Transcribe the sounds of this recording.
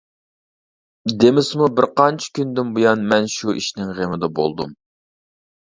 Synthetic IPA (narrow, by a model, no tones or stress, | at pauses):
d̪emɪsmubɪɾqʰɑnt͡ʃʰɪ̥kʲʰynd̪ɪmbujɑnmɛnʃuʔiʃnɪŋʁemɪd̪ɛbo̰lˠd̪ṵm